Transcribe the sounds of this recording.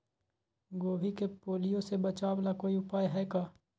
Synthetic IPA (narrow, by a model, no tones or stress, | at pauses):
ɡoːʋikepoːlijõsebɐt͡ʃaːwlakoːiʊpaːjɦɛːkaː